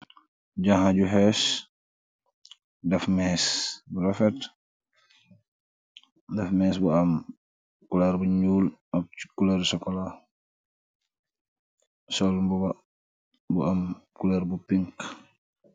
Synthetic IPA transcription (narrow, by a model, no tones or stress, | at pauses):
ɟaɦaɟuɦɛs | dɐfmɛːsbuɾɐfɛt | dɐfmɛːsbuam | kulɛɾbuɲuːlmɐkulɛɾsɔkːɔla | sɔlmbuba | buamkulɛɾbupiŋk